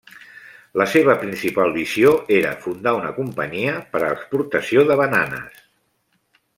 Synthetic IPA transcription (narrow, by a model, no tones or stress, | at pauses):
ləseβ̞əpɾinsipalˠβizioeɾə̰fund̪aunəkumpəɲiəpəɾːkspuɾt̪əsioðəβənanə̰s